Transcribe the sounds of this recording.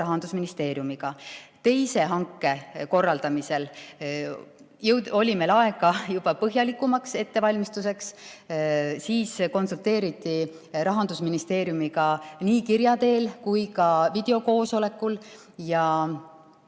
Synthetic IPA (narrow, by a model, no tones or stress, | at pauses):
ɑɦɑnd̪usminist̪e̞ːɾjumiɡ̥ɑt̪e̞jse̞ɦɑŋkːˑe̞ko̞rːɑld̪̥ɑmise̞l | jɤwo̞lʲimelɑe̞ɡ̥ɑjub̥ɑpɤɦjɑlikːˑumɑkse̞t̪ːe̞vɑlʲmist̪use̞ks | siːsko̞nsult̪e̞ːɾit̪ˑːi | ɾɑɦɑnd̪̥usminist̪e̞ːɾjumiɡɑniːkiɾjɑt̪e̞ːlkujkɑvid̪̥e̞o̞ko̞ːso̞le̞kːˑul | jɑ